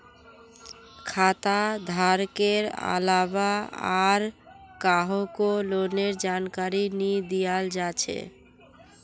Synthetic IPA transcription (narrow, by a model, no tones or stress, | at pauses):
kʰat̪ad̪ʱaɾkeɾa̰labaaɾkaɦokoloneɾd͡ʒankaɾinid̪ijald͡ʒat͡ɕʰḛ